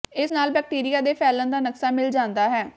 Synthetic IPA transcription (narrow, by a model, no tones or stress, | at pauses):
ɪsnaːlbɛːk̚ʈiːɾijaːd̪eːpʰɛːlə̃nd̪aːnəksaːmɪld͡ʒãːnd̪aːɦɛː